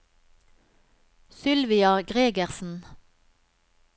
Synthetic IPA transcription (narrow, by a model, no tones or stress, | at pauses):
sʏlʋɪɑɡʁeːɡəʁsn̩